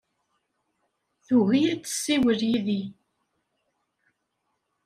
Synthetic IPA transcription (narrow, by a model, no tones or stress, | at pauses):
θuɣijæt͡sːə̥sːiwəɾjiði